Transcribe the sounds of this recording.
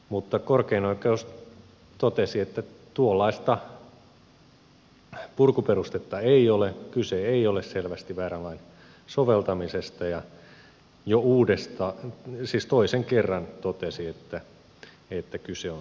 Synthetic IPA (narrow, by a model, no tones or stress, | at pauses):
mut̪ːɑkorkeinoikːeos | t̪ot̪esiet̪ːæt̪uolːɑist̪ɑ | purkuperust̪et̪ːɑeiolekyseeiolesselʋæst̪iʋæːrælɑin | soʋelt̪ɑmisest̪ɑjɑ | jouːdest̪ɑːsiːst̪oiseŋkerːɑnt̪ot̪esiet̪ːæ | et̪ːækyseon